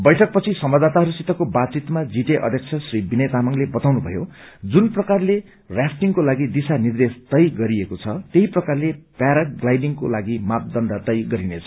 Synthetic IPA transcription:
bʌjʈʰʌk̚pʌt͡sʰisʌmbʌd̪at̪aɦʌɾusit̪ːʌkobad̪̚t͡sit̪mad͡ziʈeʔʌ̰d̪ʱjʌkt͡sʰʌsribinet̪amʌŋlebʌt̪awnubʱʌ̰jod͡zunprʌkarle | rjasʰʈiŋkolaɡid̪isanird̪est̪ʌjɡʌɾiekot͡sʰʌt̪eɦiprʌkarlepaɾak̚ɡlajɖiŋkolaɡimat̪̚d̪ʌnd̪at̪ʌjɡʌɾinet͡sʰʌ̥

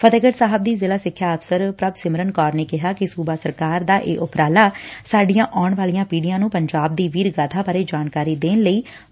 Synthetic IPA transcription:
pʰət̪eːɡəʈsaːɦəbd̪iːzɪːlaːsɪkʰːjaːəfsəɾpɾəbsɪmɾənkɔːɾneːkɪɦaːkɪsuːbaːsəɾkaːɾd̪aːʔeːʔʊpɾaːlaːsaːɖijãːʔɔːɳʋaːlijãːpiːɖijãːnũːpəɲd͡ʒaːb̚d̪iːʋiːɾɡaːt̪ʰaːpaːɾeːd͡ʒaːnkaːɾiːd̪eːnləiː

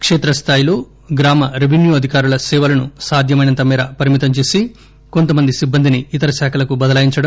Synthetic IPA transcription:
kʂeːt̪ɾɐst̪ʰaːjilo̞ː | ɡɾaːmɐɾiʋʱinjuːɐd̪ʱikaːɾulɐsɛːʋɐlɐnusaːd̪ʱjɐmɐjnɐnt̪ɐmiːɾɐpɐɾimit̪ɐɲt͡ʃeːsi | ko̞nt̪ɐmɐnd̪isibːɐnd̪ʱiniːt̪ɐɾɐʃaːkʰɐlɐkubɐd̪ɐlaːjiɲt͡ʃɐɽɐ

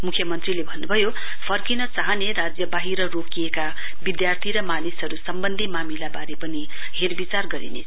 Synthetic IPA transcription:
mukʰjʌmʌnt̪rilebʱʌnːubʱʌjo | pʰʌrkinʌt͡sʌɦʌneɾad͡zjʌbaɦiɾʌrokijeka | bid̪jart̪ʰiɾʌmanisɦʌɾusʌmbʌnd̪ʱimamilabaɾepʌni | ɦerbit͡sarɡʌɾḭne

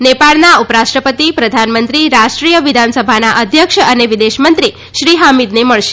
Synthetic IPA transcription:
nepaɭnaupəɾaʃʈɾəpət̪ipɾəd̪ʱanmənt̪ɾiɾaʃʈɾijəʋid̪ʱansəbʱanaʔəd̪ʱjəkʃəneʋid̪eʃmənt̪ɾi | ʃɾiɦamid̪neməɭʃe̥

